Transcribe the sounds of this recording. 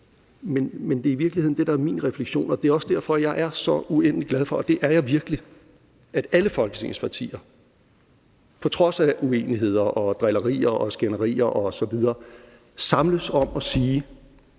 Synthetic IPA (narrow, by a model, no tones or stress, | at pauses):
menmend̥e̝ɐiʋiɐɡ̥lihe̝ð̰ˠn̩d̥e̝ɾɑ̈æɐmiːnʁɛfleɡ̥ɕo̝̰ːnɒ̽d̥e̝æɒ̽səd̥æɐ̰fɒ̽jɑ̈ɪʔæɐsɒ̽uen̰̥liɡ̥læð̞ˠfɒ̽d̥e̝ʔæɐjɑ̈ɪʋiɐɡ̥əli | æd̥æləfɒ̽lɡ̥əsʰḛŋspʰɑ̈t͡sʰḭːɐ | pʰɒ̽t͡sʰʁɒ̽sæʔue̝̰ːniɦe̝ð̞̰ˠɐʔɒ̽d̥ʁɛlɐʁḭːɐʔɒsɡ̥enɐʁḭːɐʔɒ̽sɒ̽ʋið̞ˠɐː | sɑ̈mləsɒ̽mɒ̽siː